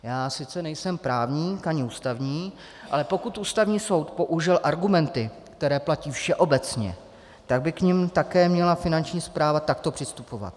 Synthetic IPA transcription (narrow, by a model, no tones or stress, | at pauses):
jaːsɪt͡sɛnɛjsɛmpɾaːvɲiːkaɲɪuːst̪avɲiː | ʔalɛpo̞kut̪ʔuːst̪avɲiːso̞wt̪po̞ʔuʒɪlʔaɾɡumɛnt̪ɪ | kt̪ɛɾɛːplaciːfʃɛʔo̞bɛt͡sɲɛ̰ | t̪aɡ̚bɪkɲɪmt̪akɛːmɲɛlafɪnant͡ʃɲiːspɾaːvat̪akt̪o̞pr̥ɪst̪upo̞va̰t̪̚